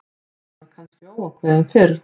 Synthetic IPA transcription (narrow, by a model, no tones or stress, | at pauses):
aɾkʰanscɪaːwawkʰvɛðanfɪɾ